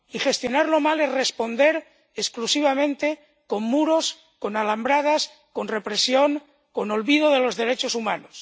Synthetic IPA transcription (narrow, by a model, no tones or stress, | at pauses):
ixe̞st̪jo̞naɾlomalezrespo̞nd̪eɾ | esklusiβ̞amẽnt̪e | ko̞mːuɾo̞s | konalambɾað̞as | ko̞nre̞pɾesjoŋ | konolβið̞oðe̞lo̞zðe̞ɾet͡ʃosumanos